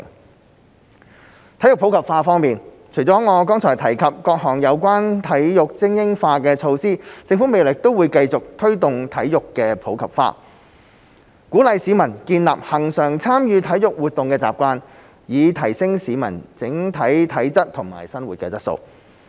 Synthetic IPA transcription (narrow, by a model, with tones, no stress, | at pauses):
t̪ʰjʊ˨kpʰwkʰɐ˨p̚faː˧fɔː˥ŋmiː˨n | t͡ʃʰɵ˨˩jt͡sɔː˨˦˥ŋɔː˨˧kɔː˥ŋt͡sʰɔː˨˩jt̪ʰɐ˨˩jkʰɐ˨p̚kɔː˧k̚ɦɔː˨˩ŋjɐ˨˧wkʷwaː˥nt̪ʰɐ˨˥jjʊ˨k̚t͡sɪ˥ŋjɪ˥ŋfaː˧kɛː˧t͡ʃʰo˧wsiː˥t͡sɪ˧ŋfu˨˥me˨jlɪ˨k̚t̪o˥wuː˨˧jkɐ˧jt͡sʊ˨k̚t̪ʰɵ˥ɥt̪ʊ˨ŋt̪ʰɐ˨˥jjʊ˨kːɛː˧pʰo˨˥wkʰɐ̰˨˩p̚fa̰ː˧ | kuː˨˥lɐ˨˧jsiː˨˧˥mɐ˨˩nkiː˧nla̰ː˨p̚hɐ˨˩ŋsœː˨˩ŋt͡sʰaː˥mjyː˨˧t̪ʰɐ˨˥jjʊ˨k̚wuː˨˩t̚t̪ʊ˨ŋkɛː˧t͡sa̰ː˨˩p̚kʷaː˧n | jiː˨˧t̪ʰɐ˨˩jsɪ˥ŋsiː˨˧˥mɐ̰˨˩nt͡sɪ˨˥ŋt̪ʰɐ˨˥jt̪ʰɐ˨˥jt͡sɐ˥t̚t̪ʰːʊ˨˩ŋma̰ː˨˩jsɐ˥nwuː˨t̚kɛː˧t͡sɐ˥t̚so̰˧w